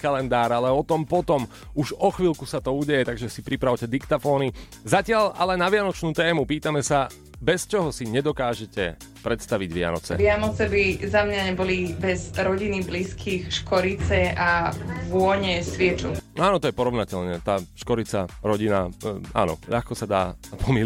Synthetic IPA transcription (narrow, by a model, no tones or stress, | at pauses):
kalɛnd̪aːɾalɛɔt̪ɔmpɔt̪ɔm | uʒɔxʋiːlkusat̪ɔuːɟɛjɛt̪aɡʒɛsipɾipɾaʊcɛd̪ikt̪afɔːni | zacɪaʎalɛnaʋɪanɔt͡ʃnuːt̪ɛːmupiːt̪amɛsa | bɛst͡ʃɔɦɔsiɲɛd̪ɔkaːʒɛcɛ̰ | pɾɛt̪st̪aʋiɟʋɪa̰nɔ̰t͡sɛ̰ʋɪanɔt͡sɛbizamɲaɲɛbɔlibɛzɾɔɟinibliːskʰiːxʃkɔɾit͡sɛaʋʊɔɲɛsʋɪɛt͡ʃuaːnɔt̪ɔjɛpɔɾɔʊnacɛʎɲɛt̪aːʃkɔɾit͡saɾɔɟinaa̰ːnɔ̰ʎa̰xkɔsad̪a̰ːpʰɔmil